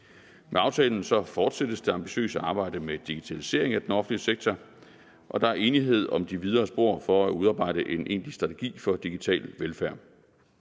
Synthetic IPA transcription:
meɑ̈ʊt͡sʰɛːln̩sɒ̽fɒːd̥sed̥əsd̥e̝ɑ̈mb̥iɕø̰ːsəɑ̈ːb̥ɑ̈ɪ̰d̥əmed̥iɡ̥it͡sʰælise̝̰ɐe̝ŋæd̥enɒ̽fn̩liəseɡ̥̚t͡sʰɒ | ʔɒ̽d̥ɑ̈æɐe̝ːniɦe̝ð̞̰ˠɒ̽md̥iʋið̞ˠɐːsb̥o̝ɐ̰fɒ̽æuðˠɑ̈ːb̥ɑ̈ɪ̰ɾ̥əʔe̝nʔe̝̰ːnlisd̥ʁɑ̈t͡sʰe̝ɡ̥ḭːfɒ̽d̥iɡ̥it͡sʰɛ̰ːlʋelfæɐ̰

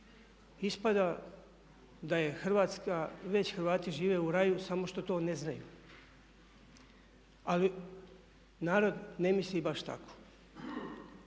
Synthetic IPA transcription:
ispad̪a | d̪aje̞xr̩ʋaːt̪skaʋe̞t͡ɕxɾʋaːt̪iʒiːʋe̞uɾajusamo̞ʃt̪o̞t̪o̞ːne̞znajṵ | ali | naːɾo̞d̪ne̞mislibaʃt̪a̰kʰo̥

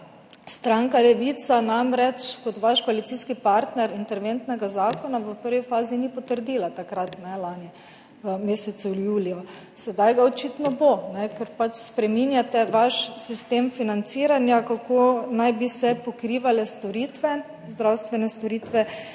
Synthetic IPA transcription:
st̪ɾaŋkalɛʋit̪sanamɾɛt͡ʃkɔt̪ʋaʃkɔalit̪siskipaɾt̪nɛɾint̪ɛɾʋent̪nɛɡazaːkɔnaʋəpəɾʋifaːzinipɔt̪əɾd̪iːlat̪akɾat̪nɛlaːni | əmeːsɛt̪sujuːliɔ | sɛd̪ajɡaɔt͡ʃit̪nɔbonɛkɛɾpat͡ʃspɾɛminjat̪ɛʋaʃsist̪eːmfinant̪siːɾanjakakonajbisɛpɔkɾiːʋalɛst̪ɔɾiːt̪ʋɛ | zd̪ɾawst̪ʋɛnɛst̪ɔɾiːt̪ʋɛ

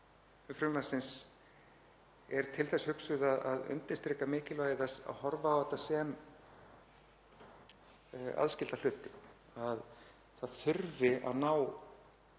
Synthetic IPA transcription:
fɾʏmlasɪns | ɛɾ̥t̪ʰɪlθɛshʏksʏðaðaðʏ̰nt̪ɪst̪ɾiːkamɪːcɪlvaːjɪθɛsːa̰ðhɔɾvaawhɛt̪ːasɛm | a̰ðscɪlt̪al̥ʏht̪ɪ | að | θaðθʏɾvɪa̰ðnaːw

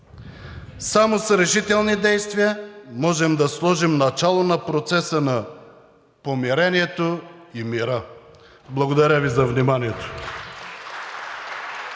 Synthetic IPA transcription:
samosɾɛʃit̪ɛlˠnid̪ɛjst̪viəmɔʒɛmd̪ɐslˠɔʒimnɐt͡ʃalˠonɐpɾot̪sɛsənɐ | pomiɾɛniɛt̪oimiɾə | blˠɐɡod̪ɐɾʲavizɐvnimaniɛt̪o̥

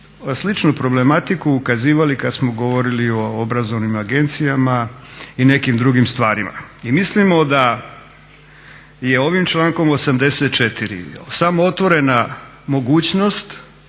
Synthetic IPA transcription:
slit͡ʃnupɾo̞ble̞mat̪ikuːkaziːʋalikad̪smo̞ɡo̞ʋo̞ɾilio̞obɾazo̞ʋnimaɡe̞nt̪sijamaine̞kimd̪ɾuɡimst̪ʋaːɾima̰imislimo̞d̪a | je̞o̞ʋimt͡ʃlˠaːŋko̞mosamd̪e̞set̪̚t͡ʃet̪iɾḭsamoot̪ʋo̞ɾe̞na | mo̞ɡuːt͡ɕnost̪

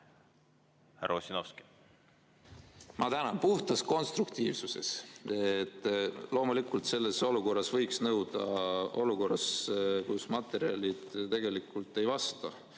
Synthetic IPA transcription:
hæɾʔɑosʲinofski̥ | mʔɑt̪ænɑnpuht̪ɑsko̞nst̪rukt̪iːvsuse̞̰set̪ˑːlo̞ːmulikːˑult̪se̞lːe̞so̞luko̞rːɑsvɤ̞jksnɤwd̪̥ɑ̰o̞luko̞rɑskusmɑt̪ːˑe̞ɾiɑ̰lʲid̪̥t̪e̞ɡ̥e̞likːˑult̪ːˑe̞jvɑst̪ɑ

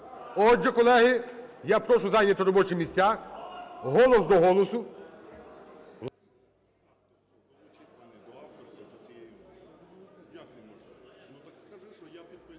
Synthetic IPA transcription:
ɔd͡ʒɛkɔlˠɛɦɪjapɾɔʃʊzɑnʲːɐt̪ɔɾɔbɔt͡ʃɪmʲisʲt͡sʲːa | ɦɔlˠɔsd̪ɔɦɔlˠɔsʊ

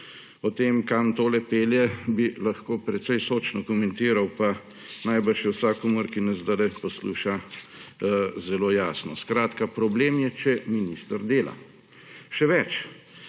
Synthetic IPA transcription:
ɔt̪eːmkamt̪oːlɛpeːljɛbilɐxkoːpɾɛt̪sɛjsoːt͡ʃnɔkɔmɛnt̪iːɾawpa | najbəʃjɛwsakɔmuɾkinɛzd̪alɛpɔsluːʃa | zɛloːjaːsnɔskɾaːt̪kapɾɔbleːmjɛt͡ʃɛminist̪əɾd̪eːla̰ | ʃɛʋɛt͡ʃ

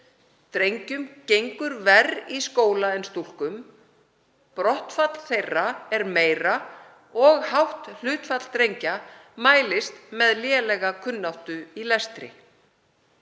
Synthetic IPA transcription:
t̪ɾejɲcʏmcejŋkʏɾvɛriskoːwlaɛnst̪ul̥kʏm | pɾɔht̪fat̪l̥θejraɛɾmeːjra | ɔɣhawht̪l̥ʏːt̪fat̪l̥t̪ɾejɲcamaːjlɪst̪mɛðljɛːlɛɣakʰʏnːawht̪ʏilɛst̪ɾɪ̰

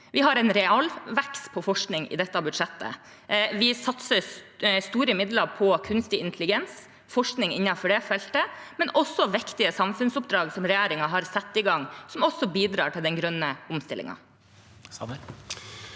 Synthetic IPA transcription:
ʋɪɦɑɾɛnɾɛɑlʋɛkspʰɔfɔʂknɪŋɪ̰d̪ɛt̪ːəɑbʉd̪ʂɛt̪ːə̰ | ʋɪsɑt̪səst̪uːɾəmɪd̪ləɾpʰɔkʰʉnst̪ɪɪnt̪ʰəlɪɡɛns | fɔʂknɪŋɪ̰nːɑfɔɖɛfɛlt̪əmɛnɔsːɔʋɪkt̪ɪəsɑmfʉnsʊpd̪ɾɑːɡsɔmɾɛjæːɾɪŋɑɦɑɾsɛt̪ːɪɡɑŋsɔmɔsːɔbiːd̪ɾɑ̰ːʈɪld̪ɛnɡɾœnːəʊmst̪ɪlɪ̰ŋɑ̰

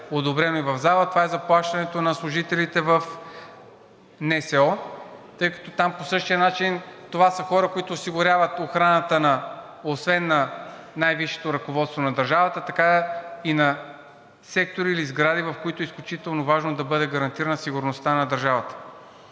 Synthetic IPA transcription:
od̪obɾɛnoivɐvzalˠət̪ovaɛzɐplˠaʃt̪ɐnɛt̪onɐslˠʊʒit̪ɛlit̪ɛvɐf | nɛsɛɔt̪ɤjkɐ̥t̪ɔt̪amposɤʃt̪ijənat͡ʃint̪ovasəxɔɾəkoit̪oːsiɡʊɾʲjavət̪oxɾanət̪ənɐ | osvɛnːɐ | najviʃɛ̥t̪oɾɐkovɔt̪st̪vonɐd̪ɐɾʒavət̪ət̪ɐkainɐ | sɛk̚t̪oɾiːlizɡɾad̪ivɐfkoit̪ʊisklʲʊt͡ʃit̪ɛlˠnovaʒnod̪ɐbɤd̪ɛɡɐɾɐnt̪iɾɐnɐsiɡʊɾnost̪anɐd̪ɐɾʒavət̪ə̥

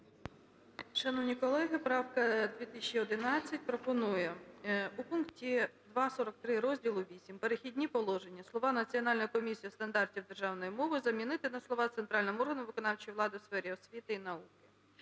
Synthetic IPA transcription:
ʃɐnɔwnʲikɔlˠɛɦɪpɾɑwkɐd̪ʲʋʲit̪ɪsʲt͡ʃiɔd̪ɪnɑt͡sʲːɐtʲpɾɔpɔnujɛupunktʲid̪ʋɑsɔɾɔk̚t̪ɾɪɾɔzʲdʲilˠʊʋʲisʲimpeɾexʲidʲnʲipɔlˠɔʒenʲːɐslˠɔʋɑnɐt͡sʲiɔnɑlʲnjɔkɔmʲisʲijɔst̪ɐnd̪ɑrtʲiwd̪erʒɑwnɔjimɔʋɪzɐmʲinɪt̪ɪnɐslˠɔʋɑt̪sent̪ɾɑlʲnɔmʊɔrɦɐnʊʋɪkɔnɑwt͡ʃijʋlˠɑd̪ɪwsfɛɾʲiɔsʲʋʲit̪ɪinɐukɪ̥

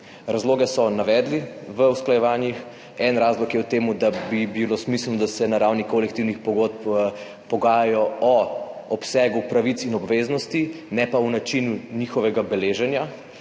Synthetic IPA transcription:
ɾazloːɡɛsɔnaʋɛːd̪liʋəwsklajɛʋaːnjix | ɛnɾaːzlɔkjɛut̪eːmud̪abibilosmisəlnɔd̪asɛnaɾawnikolɛkt̪iwnixpɔɡot̪̚p | pɔɡaːjajɔɔɔpsɛɡupɾaʋitsinɔbʋeznɔst̪inɛpaunat͡ʃinuniːxɔʋɛɡabɛleːʒɛnja

